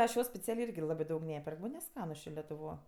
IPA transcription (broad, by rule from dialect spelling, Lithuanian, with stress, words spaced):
ˈɐʃ ˈjoː sʲpʲɛˈt͡sʲæːlʲeː ˈɪrʲɡʲɪ ˈlˠɑːbɜ ˈdɐʊk ˈnʲæːpʲɛrk ˈmɐnʲ nʲɛˈskɑːnʊs ˈt͡ʃʲeː lʲɛtʊˈʋoː